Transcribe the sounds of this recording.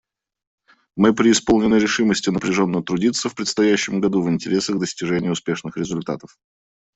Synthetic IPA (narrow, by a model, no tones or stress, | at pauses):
mɨpɾʲɪɪspo̞lˠnʲɪnːəjɾʲɪʂɨməsʲtʲɪnəpɾʲɪʐo̞nːəət̪ɾʊdʲit̪səfpɾʲɪt̪st̪ɐjæɕːɪmɡɐd̪uvɪnʲtʲɪɾʲe̞səɣd̪əsʲtʲɪʐɛnʲɪjʊspʲe̞ʂnɨxɾʲɪzʊlʲt̪a̰t̪ə̥f